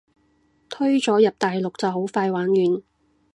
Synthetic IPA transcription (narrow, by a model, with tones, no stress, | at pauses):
t̪ʰɵ˥ɥt͡sɔː˨˥jɐ˨p̚t̪aː˨jlʊ˨k̚t͡sɐ˨wɦo˨˥wfaː˧jwaː˨˥njyː˨˩n